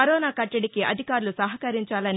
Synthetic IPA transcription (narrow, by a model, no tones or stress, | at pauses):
ɐɾɔːnaːkɐʈːɐɽikiʔɐ̰d̪ʱikaːɾulusɐɦɐkɐɾiɲt͡ʃaːlɐn